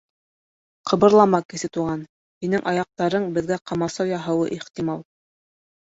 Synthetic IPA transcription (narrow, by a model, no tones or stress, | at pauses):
qʰɤ̆βɤ̆ɾlˠɑmɑkɘ̆sɘt̪uʁɑn | hinɘŋʔɑjɑq̚t̪ɑɾɤɴbɘ̆ðɡæqɑmɑsɑwjɑɦɤ̆wɤ̰ʔiχt̪imɑlˠ